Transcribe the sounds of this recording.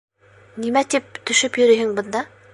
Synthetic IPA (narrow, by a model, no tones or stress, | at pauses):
nimæt̪ip̚t̪ɵ̆ʃɘpjɵ̆ɾɘ̆jhɘŋbɤ̆nd̪ɑ